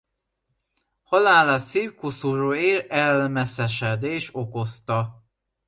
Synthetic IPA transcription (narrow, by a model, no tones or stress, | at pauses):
hɒlaːlɒsiːwkusuɾoeːɾɛlmɛsɛʃɛd̪eːʃo̞ko̞st̪ɒ